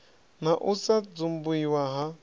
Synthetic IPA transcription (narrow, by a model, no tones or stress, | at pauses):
n̤aʔusad͡zumbuiwaɦa